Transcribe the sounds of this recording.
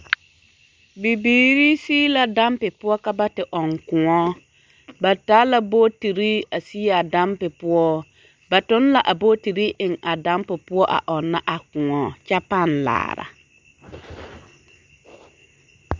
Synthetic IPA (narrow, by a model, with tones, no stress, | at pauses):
bi˨biː˨ɾi˦siː˦la˨da˦mpɪ˨pʊ˦ɔ˦ka˦ba˦tɪ˨ʔɔ˨ŋkʊ˨ŋɔ˦ | ba˨taː˦la˦bo˦ti˨ɾi˦a˨si˦a˨da˦mpɪ˨pʊ˦ɔ˦ | ba˨tʊ˦n˦la˨ʔa˨bo˦ti˨ɾi˦ʔɪ˨ŋa˨da˦mpɪ˨pʊ˦ɔ˦ʔa̰˨ʔɔ˨nːa˦ʔa˨kʊ˨ŋɔ˨˦t͡ʃa˦pa˦˨nla̰ː˨ɾa̰˨